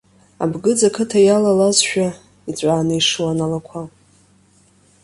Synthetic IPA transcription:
a̰bɡɨd͡zakʰɨtʰajalalazʃᶣa | it͡ɕʷʼaːnɨiʂɨwanalakʷʰa

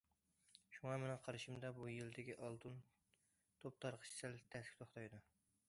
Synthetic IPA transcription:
ʃuŋɑmɪnɪŋqʰɑɾɨʃimd̪ɑbujild̪ɪkʲiʔɑlˠt̪ʰɨn | t̪ʰop̚t̪ʰɑɾqʰə̥t͡ʃʰt̪ʰælt̪ʰɛskʰʲt̪ʰoχt̪ʰɑjd̪u

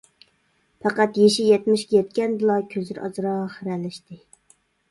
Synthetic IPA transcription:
pʰɑqɑt̪jeʃijɛt̪mɪʃkʲɛjɛt̪̚kʲɛnd̪ɨlˠɑkʲʰøzɪɾʔɑ̰zɨɾɑʁχəɾɛlɪʃt̪ɪ

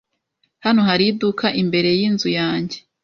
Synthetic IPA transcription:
hano̞ɦaɾidukʰaʔimbe̞ɾe̞jiːnzujaːɲɟe̞̥

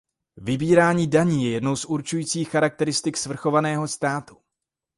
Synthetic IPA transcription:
vɪbiːɾaːɲiːdaɲiːjɛjɛdno̞wsʔuɾt͡ʃujiːt͡siːxːaɾak̚t̪ɛɾɪst̪ɪksvr̩xo̞vanɛːɦo̞st̪aːt̪u

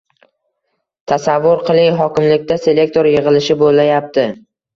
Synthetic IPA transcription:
t̪ʰasavːʊɾqʰɨlˠɪŋɦɒkʲɪmlɪkʲt̪ʰase̞le̞k̚ʲt̪ʰoɾjɪʁɨlɪʃɪbolːajap̚t̪ʰɪ

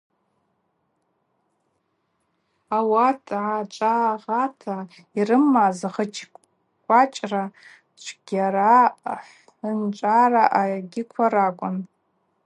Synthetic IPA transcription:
awatʰʼʕat͡ʃʷʼaːʁatʰa | irɨmːazaχət͡ʃ | kʷʼat͡ʃʼra | t͡ʃʷʰɡ̥ʲaɾaħ | ənt͡ʃʷʼaraʔaɡʲɪkʷʰaɾakʷʼʊn

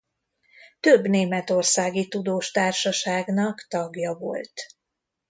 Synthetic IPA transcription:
t̪øbneːmɛt̪o̞rsaːɡit̪ud̪oːʃt̪aːrʃɒʃaːɡnɒkt̪ɒɡjɒvo̞̰lt̪

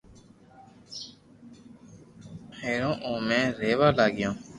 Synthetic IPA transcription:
heːɾõːʔõːmẽːɾeːʋaːlaːɡɪjõː

